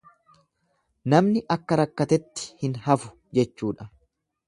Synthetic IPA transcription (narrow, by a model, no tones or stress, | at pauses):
nɐmnɪʔɐkːɐɾɐkːɐt̪ɛt̪ːɪ̥hɪnɦɐfʊ̥ | d͡ʒɛt͡ʃːuːᶑɐ